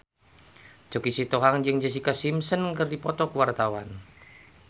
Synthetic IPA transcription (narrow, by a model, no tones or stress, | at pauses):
d͡ʒ̥okisit̪ɔɦaŋd͡ʒɨŋd͡ʒəsikasimsənkərdipɔt̪ɔkwart̪awa̰n